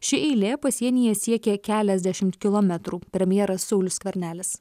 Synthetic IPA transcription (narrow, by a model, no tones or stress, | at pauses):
ʃʲɪʔɛɪlʲeːpɐsʲiɛnʲiːjɛsʲiɛkʲɛkʲæːlʲɛzʲd̪ʲæʃʲɪmt̪kʲɪlˠɔmʲɛt̪ɾuːpʲɾʲɛmʲjɛːɾɐsːɔʊlʲʊskʲʋʲɛɾʲnʲæːlʲɪs